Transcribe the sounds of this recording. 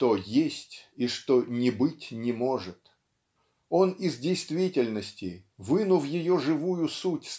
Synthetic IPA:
t̪ojesʲtʲiʂt̪onʲɪbɨtʲnʲɪmo̞ʐɨt̪ | o̞nɪzdʲɪjst̪vʲitʲɪlʲnəsʲtʲɪ̰vɨnʊvjɪjo̞ʐɨvujʊsutʲs

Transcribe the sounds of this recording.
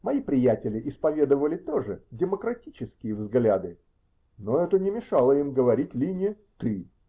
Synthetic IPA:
mɐipɾʲɪjætʲɪlʲɪʔɪspɐvʲe̞d̪əvəlʲɪt̪oʐɨdʲɪməkɾɐtʲit͡ɕɪskʲɪjəvzɡlʲad̪ɨ | noɛt̪ənʲɪmʲɪʂɑlˠəimɡəvɐɾʲitʲlʲinʲɪə | t̪ɨ

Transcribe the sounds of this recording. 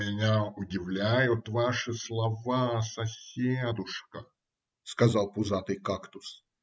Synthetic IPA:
mʲɪnʲaʊdʲɪvlʲæjʊt̪vaʂɨslˠɐvasɐsʲed̪ʊʂkə | skɐzɑlˠpʊzat̪ɨjkakt̪ʊs

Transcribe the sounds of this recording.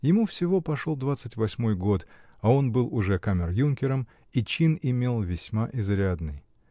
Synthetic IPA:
jɪmufsʲɪvo̞pɐʂolˠd̪vat̪sɨtʲvɐsʲmo̞jɡo̞t̪ | ɐo̞nbɨlˠʊʐɛkamʲɪrjunkʲɪɾəm | it͡ɕinɪmʲe̞lˠvʲɪsʲmaʔɪzɾʲad̪nɨj

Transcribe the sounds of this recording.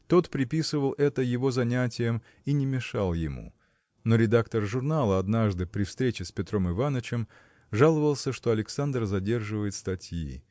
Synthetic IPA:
t̪o̞t̪pɾʲɪpʲisɨvəlˠʔɛt̪əjɪvo̞zɐnʲætʲɪjəm | inʲɪmʲɪʂalˠjɪmṵ | no̞ɾʲɪd̪akt̪ərʐʊrnalˠəɐd̪naʐd̪ɨpɾʲɪfst̪ɾʲet͡ɕɪspʲɪt̪ɾo̞mɨvanət͡ɕɪm | ʐalˠəvəlˠsʲəʂt̪o̞ɐlʲɪksand̪rzɐdʲe̞rʐɨvəjɪt̪st̪ɐtʲjḭ

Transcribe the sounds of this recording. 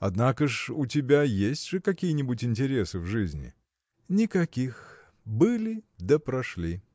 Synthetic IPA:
ɐ̰d̪nakəʂʊtʲɪbʲajesʲtʲʐɨkɐkʲijənʲɪbʊtʲɪnʲtʲɪɾʲesɨvʐɨzʲnʲɪ̰ | nʲɪkɐkʲix | bɨlʲɪd̪əpɾɐʂlʲi

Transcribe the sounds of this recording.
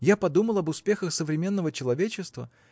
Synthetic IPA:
japɐd̪uməlˠɐbʊspʲe̞xəxsəvɾʲɪmʲe̞nːəvət͡ɕɪlˠɐvʲet͡ɕːɪst̪və̰

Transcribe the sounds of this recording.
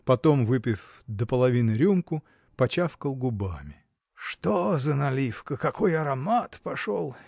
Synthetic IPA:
pɐt̪omvɨpʲɪfd̪əpəlˠɐvʲinɨɾʲumkʊ | pɐt͡ɕafkəlˠɡʊba̰mʲɪ | ʂt̪ozənɐlʲifkəkɐko̞jɐɾɐmat̪pɐʂolˠ

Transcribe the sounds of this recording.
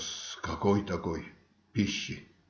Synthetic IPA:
skakoit̪akoi | piʃːi

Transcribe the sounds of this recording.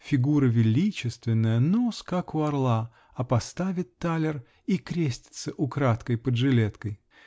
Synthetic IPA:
fʲɪɡuɾəvʲɪlʲit͡ɕɪst̪vʲɪnːəjənoskakʊɐrlˠa | ɐpɐst̪avʲɪt̪ːalʲɪr | ikɾʲesʲtʲɪ̥t̪səʔʊkɾat̪kəjpədʐɨlʲet̪kəj

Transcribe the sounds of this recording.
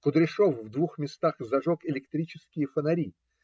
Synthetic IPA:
kʊd̪ɾʲɪʂofvd̪vuxmʲɪst̪axzɐʐokɪlʲɪkt̪ɾʲit͡ɕɪskʲɪjəfənɐɾʲi

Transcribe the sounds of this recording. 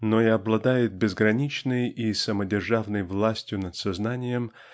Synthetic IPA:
noiɐblˠɐd̪ajɪt̪̚bʲɪzɡɾɐnʲit͡ɕnɨjisəmədʲɪrʐavnəjvlˠasʲtʲjʊnət̪sɐznanʲɪjəm

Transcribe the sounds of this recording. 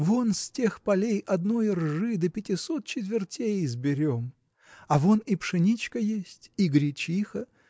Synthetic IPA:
vonsʲtʲe̞xpɐlʲejʔɐd̪no̞jrʐɨd̪əpʲɪtʲɪsot̪̚t͡ɕɪt̪vʲɪrtʲejzbʲɪɾʲom | ɐvonipʂɨnʲit͡ɕkəjesʲtʲiɡɾʲɪt͡ɕixə

